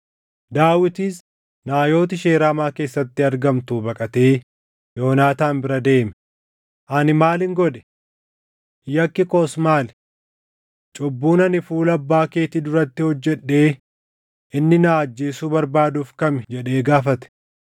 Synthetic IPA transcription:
d̪aːwɪt̪iːs | naːjo̞ːt̪ɪʃe̞ːɾaːmaːke̞ːsːɐt̪ːɪɐɾɡɐmt̪uːbɐkʼɐt̪e̞ː | jo̞ːnaːt̪aːnbɪɾɐd̪e̞ːmɛ | ʔɐnɪmaːlɪŋɡɔᶑɛ̥ | jɐkːɪkoːsmaːl | t͡ʃʼɔbːuːnɐnɪfuːlɐbːaːke̞ːt̪ɪd̪ʊɾɐt̪ːɪhɔd͡ʒːɛᶑːe̞ː | ʔɪnːɪnaːɐd͡ʒːeːsuːbɐɾbaːd̪uːfkɐmd͡ʒɛᶑe̞ːɡaːfɐt̪ɛ̥

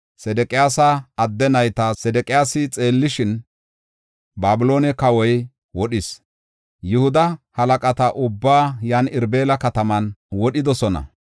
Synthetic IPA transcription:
sɛd̪ɛkʼɪjaːsɐːd̪ːɛnɐjt̪ɐsɛd̪ɛkʼɪjaːsɪt͡sʼe̞ːlːɪʃɪn | baːbʊlo̞ːnɛkɐwɔj | wɔɗɪs | jʊhʊd̪ɐhɐlɐkʼɐt̪ɐʔʊbːaːjaːnɪɾbe̞ːlɐkɐt̪ɐmɐnwɔɗɪd̪ɔsɔnɐ̰

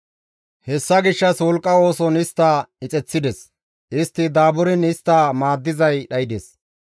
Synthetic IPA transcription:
hɛsːɐɡɪʃːɐswɔlkʼːɐo̞ːsɔnɪst̪ːɐɪt͡sʼɛt͡sːɪd̪ɛs | ɪst̪ːɪd̪aːbʊɾɪnɪst̪ːɐmaːd̪ːɪzɐjɗɐjɪd̪ɛs

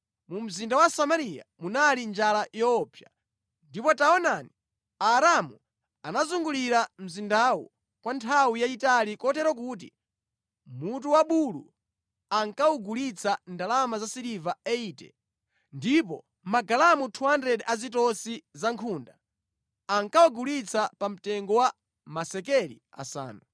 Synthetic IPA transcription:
mum̩zindawasamaɾija̰munalind͡ʒalajɔːpʰja | ndipɔtaɔnani | aɾamu | anazuŋɡuliɾam̩zindawɔ̰ | kwantʰawijaitalikɔtɛɾɔk̬uːt̬ḭ | mut̬uwaɓulṵ | aŋkauɡulit͡sʰandalamazasiɾivaɛiːtɛ̰ | ndipɔ | maɡalamutʰuandɛɗɛʔazitɔsizaŋkʰuːnda | aŋkawɔɡulit͡sʰapam̩tɛŋɡɔwa | masɛkɛɾḭ | a̰sa̰ːnu

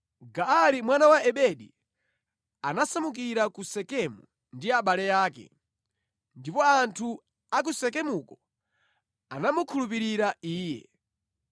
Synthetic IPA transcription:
ɡaalimwanawaɛɓɛɗḭ | anasamuk̬iɾakusɛkɛmu | ndiaɓalɛjaːkɛ̰ | ndipɔantʰu | ak̬usɛkɛmukɔ | anamukʰulup̬iɾiɾaiːjɛ̰

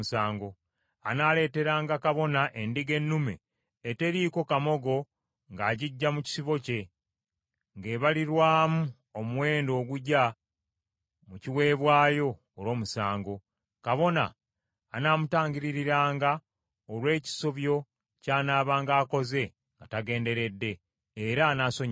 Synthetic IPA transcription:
saːŋɡo | anaːle̞ːte̞ɾaːŋɡakaβo̞naʔendiɡe̞nːumḛː | te̞ɾiko̞kamo̞ɡo̞ | ŋɡaːɟiɟːamuci̥siβo̞ce̞ | ŋɡe̞ːβaliɾwaːmu | omuwe̞ːndo̞ːɡuɟa | muciwe̞ːβwaːjo̞ːwo̞ːmusaːŋɡo̞ | kaβo̞na̰ː | naːmutaːɲɟiɾiɾiɾaːŋɡa | olwe̞ːci̥so̞βjo̞ | caːnaːβaːŋɡaːko̞ze̞ | ŋɡataɡe̞ːnde̞ɾe̞dːe̞ː | ɾaːnaːso̞ɲ

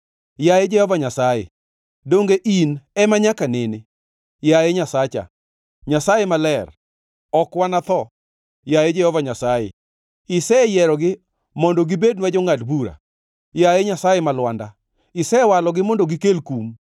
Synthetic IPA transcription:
jajed͡ʒɛhɔvaɲasajḛ | doŋɡeʔinɛmaɲakanɪnɪ | jajeɲasat͡ʃa̰ | ɲasajemalɛr | ɔkwanat̪ɔ | jajed͡ʒɛhɔvaɲasajḛ | ɪsɛjɛɾɔɡɪ | mɔndɔɡɪbed̚nwad͡ʒɔŋatbuɾa̰ | jajeɲasajemalwanda | ɪsɛwalɔɡɪmɔndɔɡɪkelkum

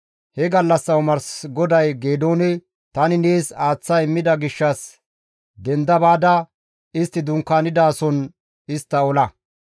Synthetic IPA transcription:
hɛɡɐlːɐsːɐwʊmɐɾsɡɔd̪ɐjɡeːd̪o̞ːnɛ | t̪ɐnɪneːsaːt͡sːɐɪmːɪd̪ɐɡɪʃːɐs | d̪ɛnd̪ɐbaːd̪ɐ | ɪst̪ːɪd̪ʊŋkːaːnɪd̪aːsɔn | ɪst̪ːɐɔlɐ

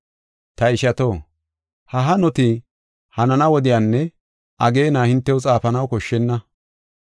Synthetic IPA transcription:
t̪ɐɪʃɐt̪o̞ː | hɐɦɐnɔt̪ɪ | hɐnɐnɐwɔd̪ɪjaːnːɛ | ʔɐɡe̞ːnaːhɪnt̪ːɛwʊt͡sʼaːfɐnɐwkɔʃːɛnːɐ

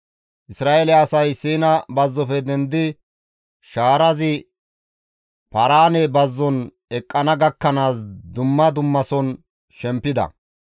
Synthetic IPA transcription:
ʔɪsɾaːʔɛlɪɐsɐjsiːnɐbɐzːɔpɛd̪ɛnd̪ɪ | ʃaːɾɐzɪ | pɐɾaːnɛbɐzːɔn | ɛkʼːɐnɐɡɐkːɐnaːsd̪ʊmːɐd̪ʊmːɐsɔn | ʃɛmpːɪd̪ɐ̰

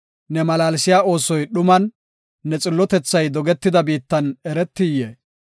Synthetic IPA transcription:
nɛmɐlaːlsɪjaːo̞ːsɔjɗʊmɐnː | ɛt͡sʼɪlːɔt̪ɛt͡sːɐjd̪ɔɡɛt̪ːɪd̪ɐbiːt̪ːɐnɛɾɛt̪ːɪjːeː

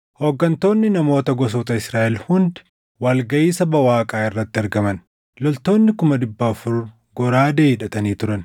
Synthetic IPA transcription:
hoːɡːɐnt̪o̞ːnːɪnɐmo̞ːt̪ɐɡɔs̬oːt̪ɐɪsɾaːʔɛlhʊnd̪ | wɐlɡɐʔiːsɐbɐwaːkʼaːɪrːɐt̪ːɪɐɾɡɐmɐn | lɔlt̪o̞ːnːɪkʊmɐd̪ɪbːafʊɾ | ɡɔɾaːd̪eːɪᶑɐt̪ɐniːt̪ʊɾɐn

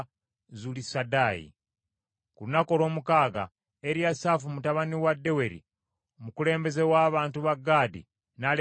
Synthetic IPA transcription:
zulisadaːjḭ | kuunako̞lo̞ːmukaːɡa̰ | eɾjasaːfumutaβaniwadːe̞we̞ɾḭ | omukule̞ːmbe̞zewaːβaːntuβaɡːaːdḭ | nale

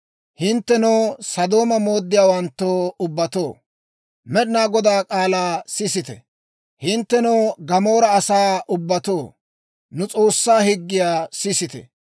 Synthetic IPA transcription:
hɪnt̪ːɛnoːsɐd̪o̞ːmɐmo̞ːd̪ːɪjaːwɐnt̪ːoːʊbːɐt̪o̞ː | mɛɗɪnaːɡɔd̪aːkʼaːlaːsɪsɪt̪ɛ̰ | hɪnt̪ːɛnoːɡɐmo̞ːɾɐːsaːʔʊbːɐt̪o̞ː | nʊt͡sʼo̞ːsːaːhɪɡːɪjaːsɪsɪt̪ɛ̰

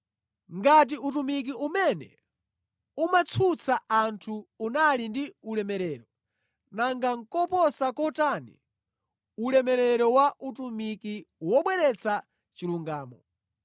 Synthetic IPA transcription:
ŋɡat̬iutumik̬iumɛnɛ̰ | umat͡sʰut͡sʰaʔantʰuːnalindiulɛmɛɾɛːɾɔ | naŋɡaŋ̩kɔpɔsakɔtanḭ | ulɛmɛɾɛɾɔwaʔutumikiwɔɓwɛɾɛt͡sʰa | t͡ʃiluŋɡaːmɔ̰

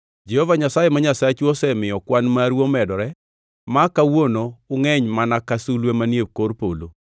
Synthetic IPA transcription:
d͡ʒɛhɔvaɲasajemaɲasat͡ʃuɔsɛmɪjɔkwanmaɾwomɛdɔɾɛ | makawonoʊŋɛɲmanakasulwemanjekoɾpolo̰

